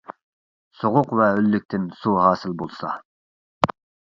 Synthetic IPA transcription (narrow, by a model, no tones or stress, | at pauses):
soʁʊqvɛølːyk̚ʲt̪ʰɪnsuɦɑːsɪlbolˠsɑ̰